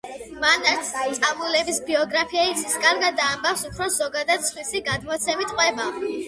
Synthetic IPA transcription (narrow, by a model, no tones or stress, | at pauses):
manat̪sʰt̪sʼamulɛbisbiɔɡɾapʰiait̪sʰiskʼaɾɡad̪aːmbafsupʰɾɔzɔɡad̪ad̪̥sχwisiɡad̪mɔt̪sʰɛmit̪qʼwɛba